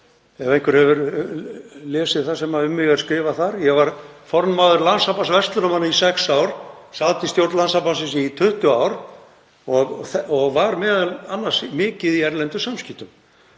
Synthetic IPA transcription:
ɛvejhŋkvʏɾ̥hɛvʏɾ | lɛːsɪðθḁsɛmaʏmːɪɣaɾ̥skɾɪːvaθaɾjɛɣvaɾfɔɾnmaːðʏɾlansapansvɛst̪lʏɾɔmhanːaisɛksaːwɾ | saːt̪ɪst̪jowɾt̪lansapansɪnsit̪ʰʏht̪ʏaːwɾ | ɔɣθɔɣvaɾmɛːðalanːḁsmɪːcɪðiɛɾlɛnt̪ʏsamscɪht̪ʏm

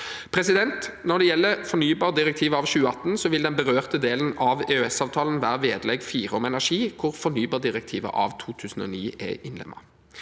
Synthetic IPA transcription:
pʰʁɛsɪd̪ɛnt̪nɔd̪ɛjɛlːəfɔnyːbɑːʁd̪ɪʁɛkt̪ʰiːʋəɑːʋɕʉːəɑt̪ːnsɔʋɪld̪ɛnbəʁøːʁt̪əd̪eːlənʔɑʋeøɛsɑːʋt̪ʰɑːln̩ʋæːʁəʋeːd̪əlɛɡfiːʁɔmɛnæʁʂiːkʰʊʁfɔʁnyːbɑːd̪ɪʁɛk̚t̪ʰiːʋə̰ʔɑ̰ʋt̪ʰuːt̪ʰʉːsn̩ɔ̰ːniːɛ̰ʔɪnlɛ̰mːʔɑ̰

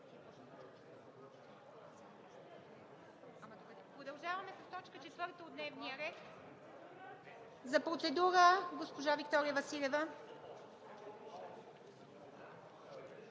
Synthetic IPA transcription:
pɾod̪ɐlˠʒavɐmɛsɐst̪ɔt͡ʃkət͡ʃɛt̪vɤɾt̪əod̪nɛvnijəɾɛt̪ | zɐpɾot̪sɛd̪uɾəɡospoʒavikt̪ɔɾijəvɐsilʲɛvə

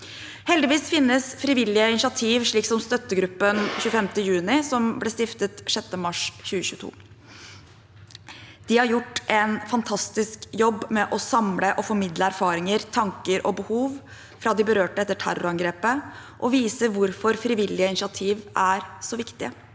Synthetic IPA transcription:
hɛld̪ɪʋiːsfɪnːəsfɾɪʋɪlːɪəɪnɕɑt̪ʰiːʋʂɭiːksɔmst̪œt̪ːəɡɾʉpːənçʉːəfɛmt̪əjʉːnɪsɔmblɛst̪ɪft̪ət̪ʂɛt̪ːəmɑʂçʉːəçʉːət̪ʰṵː | d̪̥ɪhɑɾjʊʈːʔɛnfɑnt̪ʰɑst̪ɪskjɔbːmɛʔɔsɑmləʔɔfɔɾmɪd̪ləæɾfɑːɾɪŋəɾt̪ʰɑŋkəɾʔɔbəhuːʋ | fɾɑd̪ɪbəɾøːʈəɛt̪ːəʈʰæ̰ɾɔ̰ɾɑŋɡɾeːpəʔɔʋiːsəɾʋʊɾfɔɾfɾɪʋɪlːɪəɪnʃɑt̪ʰiːʋʔæɾsɔʋɪkt̪ɪə

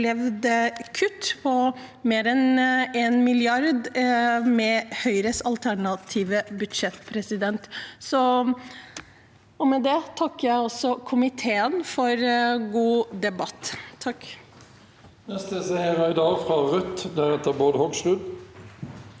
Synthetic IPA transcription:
lɛʋd̪əkʰʉt̪ːpʰɔmeːɾɛneːnmɪljɑɾd̪mɛhœʏɾəsɑlt̪ʰæɳɑt̪ʰiːʋəbʉd̪ʂɛt̪pʰɾɛsɪd̪ɛnt̪sɔ | ɔmɛd̪ɛt̪ʰɑkːəjæɪɔsːɔkʰʊmɪt̪ʰeːənfɔɾɡuːd̪ɛbɑt̪ʰːɑkː | nɛst̪əsəɛɾɑɪd̪ɑːfʁɑʁœt̪ːd̪æɾɛt̪ːəɾboːd̪hɔɡsʁʉːd̪

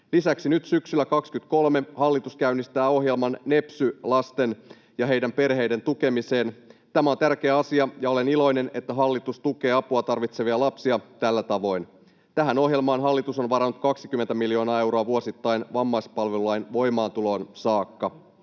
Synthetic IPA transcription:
lisæksinyt̪syksylːækɑkskyt̪ko̞lme̞hɑlːit̪uskæynːist̪æːo̞ɦje̞lmɑnːe̞psylɑst̪e̞n | jɑɦe̞jdæmpe̞rɦe̞jde̞nt̪uke̞mise̞ːnt̪æmæo̞nt̪ærk̟e̞ːɑsiɑjɑo̞lenilo̞jne̞ne̞t̪ːæɦɑlːit̪ust̪uke̞ːɑpuɑt̪ɑrʋit̪se̞ʋiɑlɑpsiɑt̪ælːæt̪ɑʋo̞jn | t̪æɦæno̞ɦje̞lmɑːnɦɑlːit̪uso̞nʋɑɾɑnːut̪kɑksikymːent̪æmiljo̞ːnɑːe̞wɾo̞ɑʋuo̞sit̪ːɑjnʋɑmːɑjspɑlʋeluɑjnʋo̞jmɑːnt̪ulo̞ːnsɑːkːɑ

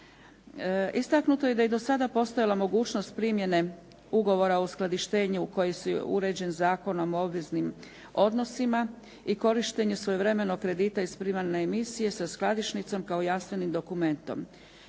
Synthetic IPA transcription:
ist̪aknut̪o̞je̞d̪ajed̪o̞sad̪apo̞st̪ojalˠamo̞ɡuːt͡ʃnost̪̚pɾimje̞ne̞ | uɡo̞ʋo̞ɾaousklˠad̪iʃt̪e̞ːɲuko̞jesuṵɾe̞d͡ʑe̞nzaːko̞no̞mo̞bʋeznim | o̞d̪no̞sima | iko̞ɾiʃt̪e̞ɲusʋo̞juʋɾe̞me̞noɡkːɾe̞d̪iːt̪aispɾimaɾneːmisije̞sasklˠad̪iʃnit̪so̞mkaojanst̪ʋe̞nimd̪o̞kume̞nt̪o̞̰m

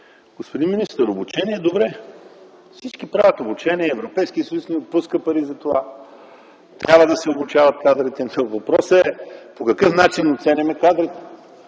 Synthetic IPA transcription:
ɡ̥ospod̪inminist̪əɾobʊt͡ʃɛniɛɛd̪obɾɛ | fsit͡ʃkipɾavʲɐt̪obut͡ʃɛniɛɛvɾopɛjskiəsɐjusnɛot̪̚puskəpɐɾizɐt̪ova | t̪ɾʲʔabvəd̪ɐsɛobut͡ʃavɐt̪̚kad̪ɾit̪ɛvɐpɾɔsəɛpokɐkɤfnat͡ʃinot̪sɛnʲɐmɛkad̪ɾit̪ɛ̥

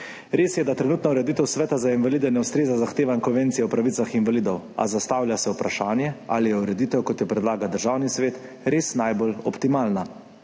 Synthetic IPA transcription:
ɾeːsjɛd̪at̪ɾɛnuːt̪nɔuɾɛd̪iːt̪ɛwsʋɛːt̪azainʋaliːd̪ɛnɛuwst̪ɾeːzazaxt̪eːʋaŋkɔnʋent̪sijɛwpɾaʋiːsaxinʋaliːd̪ɔwa̰zast̪aːwljasɛwpɾaʃaːnjɛa̰lijɛuɾɛd̪it̪ɛwkɔt̪jɛpɾɛd̪laːɡawd̪əɾʒaːwnisʋeːt̪ | ɾeːsnajbolɔ̰pt̪imaːlna

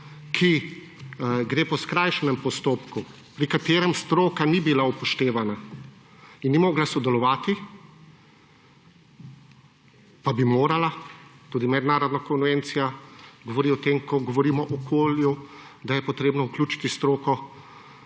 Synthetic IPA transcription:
kʰi | ɡɾeːpɔskɾajʃɛnɛmpɔst̪oːpku | pɾikat̪eːɾɛmst̪ɾoːkanibilaupɔʃt̪eːʋana | inːimoːɡlasɔd̪ɛlɔʋaːt̪i | pabimoːɾalat̪uːd̪imɛd̪naːɾɔd̪nakɔnʋent̪sijaɡɔʋɔɾiɔt̪emkʰɔɡɔʋɔɾiːmɔʔɔkʰoːlju | d̪ajɛpɔt̪ɾeːbnɔwklʲuːt͡ʃi̥t̪ist̪ɾoːkɔ

